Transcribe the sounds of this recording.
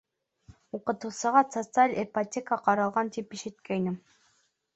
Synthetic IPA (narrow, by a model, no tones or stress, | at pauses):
uqɤ̆t̪ŭlˠsɤ̆ʁɑt̪sot̪sɨalʲɛpatʲekəqɑɾɑlˠʁɑnt̪ipiʃit̪̚kæjnɘm